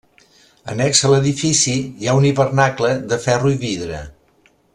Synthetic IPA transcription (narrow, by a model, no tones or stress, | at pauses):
ə̰nɛksələðifisiiauniβərnakləðəfɛruiβiðɾə̰